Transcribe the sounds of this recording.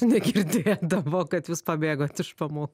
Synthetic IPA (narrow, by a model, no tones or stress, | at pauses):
nʲɛɡʲɪɾʲd̪ʲeːjɛd̪ɐboːkɐt̪juːspɐbʲeːɡoːt̪ɪʃpɐmoːkk